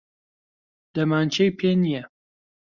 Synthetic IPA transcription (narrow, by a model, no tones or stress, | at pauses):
d̪̥ɐmaːnt͡ʃʰejpʰeːnijɛ